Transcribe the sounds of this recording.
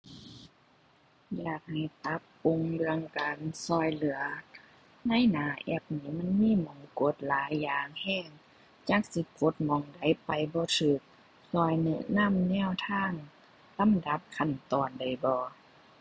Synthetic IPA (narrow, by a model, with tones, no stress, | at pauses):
jaː˧˩k̚ha˨˩jt̪a˧˦pːo˧˨ŋbɯ˧əŋka˨nsɔː˧jlɯ˨˦ɐ | na˧˥˨jnaː˨˦ʔɛ˧˩p̚niː˧˥ma˧˥˨nmiː˧˥˨mɔ˨˦ŋko˧˦t̪̚laː˨˦jːaː˧˩ŋhɛː˧˥˩ŋ | t͡ɕaː˧˩k̚si˧˦ko˧˦t̪̚mɔ˨˧˦ŋda˨˦jpa˨˩jbɔː˧˦t̪ʰɯː˧˦˩k̚ | sɔː˧˩jn˧˨na˧˥˨mnɛː˧˥˨wt̪ʰaː˧˥˩ŋ | la˧˥˨mda˧˦p̚kʰa˧˩˨nt̪ɔː˨nda˨˩jbɔː˧˦